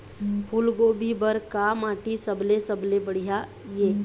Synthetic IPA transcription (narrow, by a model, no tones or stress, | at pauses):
pʰulɡoːbʱibəɾkamaːʈisəblesəblebəɽ̤ija | je